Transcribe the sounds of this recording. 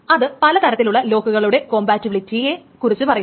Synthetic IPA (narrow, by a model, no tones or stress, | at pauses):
ɐðɨpɐlɐt̪ɐɾɐt̪ːiluɭːɐlo̞ːkuɣɐɭuɽe̞ko̞ːmbaːtːiʋɭitːijekurit͡ɕːɨpɐrɐj